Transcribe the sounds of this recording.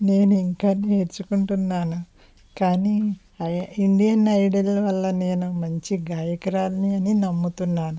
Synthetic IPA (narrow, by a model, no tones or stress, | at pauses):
ne̞ːnuiŋkanːieɾt͡ʃːukuɳʈunːaːnu | kaːni | ɐiɳɖijɐnɐjɽɐlɐʋɐlːɐne̞ːnumɐɲt͡ʃiɡaːjɐkɐɾaːlɐniɐninɐmːut̪unːaːnu